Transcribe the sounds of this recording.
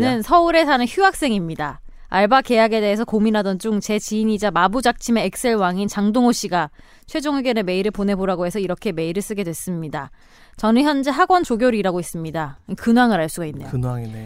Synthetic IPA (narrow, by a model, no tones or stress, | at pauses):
nɯnsʰʌuɾe̞sʰanɯnçuak̚s͈e̞ŋimɲida | aɭbake̞jaɡe̞de̞ɦesʰʌkominɦadʌnd͡ʑuŋt͡ɕe̞t͡ɕiːɲid͡ʑamabud͡ʑak̚t͡ɕʰime̞ːk̚s͈e̞ɭwaŋint͡ɕaŋdoŋoɕ͈iɡa | t͡ɕʰwe̞d͡ʑoŋeɡjʌneme̞iɾɯɭpone̞boɾaɡoɦe̞sʰʌiɾʌkʰe̞me̞iɾɯɭs͈ɯɡe̞dwe̞s͈ɯmɲida | t͡ɕʌnɯçjʌnd͡ʑe̞ɦaɡwʌnt͡ɕoɡjoɾiɾaɡois͈ɯmɲidakɯnwaŋɯɾaɭs͈uɡainːejɯaŋi